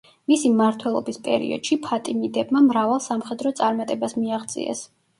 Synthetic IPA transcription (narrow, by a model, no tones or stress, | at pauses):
misimaɾt̪ʰwɛlˠɔ̰bispʼɛ̰ɾḭɔ̰d̪̥ʃipʰat̪ʼimid̪ɛbmamɾavalˠsamχɛd̪ɾɔt̪sʼaɾmat̪ʼɛbasmiaʁd̪zʼḭɛ̰s